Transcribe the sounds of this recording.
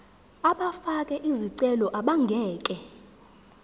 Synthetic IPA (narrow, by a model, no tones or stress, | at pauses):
aɓafakʼɛʔiziǀɛlɔʔaɓaŋɡʱɛːkʼɛ